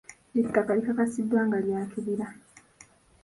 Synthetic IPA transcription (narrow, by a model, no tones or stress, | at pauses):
etːakalikakasid̪waːŋɡaljaːkiβiɾa